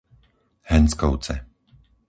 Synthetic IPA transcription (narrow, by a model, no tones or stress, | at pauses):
hɛnskɔʊt͡sɛ